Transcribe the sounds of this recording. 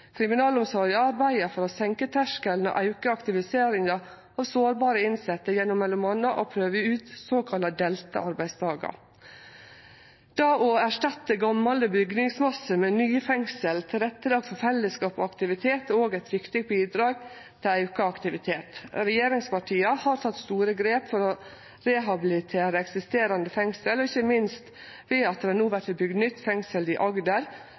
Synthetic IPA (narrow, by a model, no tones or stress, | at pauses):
kʰɾɪmɪnɑːlʊmsɔːɾjəɑɾbæɪəfɔɾɔsɛŋkət̪ʰæʂkəln̩ɔ̰ʔɑʉkəɑkt̪ɪʋɪseːɾɪŋɑ | ɑːʋsoːɾbɑːɾəɪnsɛt̪ːəjɛnʊmːɛlːʊmɑnəʔopʰɾøːʋəʉːt̪soːkʰɑlɑd̪ɛlt̪ə̰ɑɾbæɪst̪ʰɑːɡɑ̰ | d̪̥ɑːʔɔæʂʈɑt̪ːəɡɑmːɑləbʏɡnɪŋsmɑsəmɛnyːfɛŋsəlt̪ʰɪlɾɛt̪ːəlɑːɡfɔɾfɛlːəskɑːpɔ̰ɑkt̪ɪʋɪt̪ʰeːt̪oːɡæɪt̪ʋɪkt̪ɪɡ̚biːd̪ɾɑːɡ | t̪ʰɪlæʉkɑɑkt̪ɪʋɪt̪ʰeːt̪ɾɛjeːɾɪŋspɑʈʰiːɑhɑːɾt̪ʰɑt̪ːst̪uːɾəɡɾeːpfɔɾɔ | ɾɛɦɑbɪlɪt̪ʰeːɾəɛksɪst̪eːɾɑnd̪əfɛŋsəlɔɪçəmɪnst̪ | ʋeːɑt̪̚əænuːʋæʈɪbʏɡd̪nʏt̪ːfɛŋsəlɪʔɑɡd̪əɾ